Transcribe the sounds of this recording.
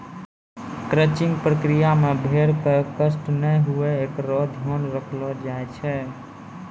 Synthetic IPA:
kɾət͡ʃĩŋɡpɾəkɾijamebʱeɾkəkəsʈnɛɦueekɾɔd̪ʱjɔnɾəkʰlɔd͡ʒajt͡ʃʰɛ

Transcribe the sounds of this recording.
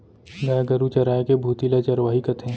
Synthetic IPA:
ɡajaɡɐɾut͡ʃɐɾaːekebʱuːt̪ilat͡ʃɐɾʋaːɦikɐt̪ẽ

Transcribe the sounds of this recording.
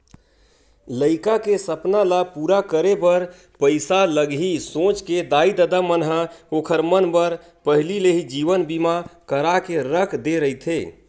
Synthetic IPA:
ləɪkakesəpnalapuɾakəɾepəɾ | pəjsaləɡɦisõt͡ʃked̪aid̪əd̪amənɦəokʰəɾmənbəɾ | pəɦlileɦid͡ʒiʋənbimakəɾakeɾəkʰd̪eɾəit̪ʰe

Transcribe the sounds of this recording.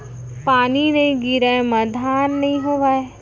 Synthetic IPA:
paːninɐɦĩɡiɾaemɐd̪ʱaːnːɐɦĩɦoːʋaːe

